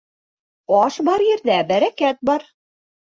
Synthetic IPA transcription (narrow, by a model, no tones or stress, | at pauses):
ɑʃbɑɾjɘ̆ɾd̪æbæɾækæt̪̚bɑɾ